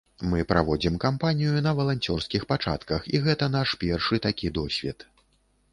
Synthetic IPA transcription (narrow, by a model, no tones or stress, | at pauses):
mɨpɾavɔd͡zʲimkampanʲijunɐvɐlˠanʲt͡sʲɔrskʲixpat͡ʂa̰t̪kɐxiɣɛt̪ɐn̪aʂpʲɛrʂɨt̪akʲid̪ɔsʲvʲɛt̪